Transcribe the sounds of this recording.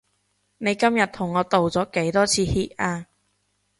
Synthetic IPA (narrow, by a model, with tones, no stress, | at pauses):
ne˨˧jkɐ˥mjɐ˨t̚t̪ʰʊ˨˩ŋːɔː˨˧t̪o˨wt͡sɔː˨˥ke˨˥jt̪ɔː˥t͡sʰiː˨˧hiː˧t̚ʔaː˧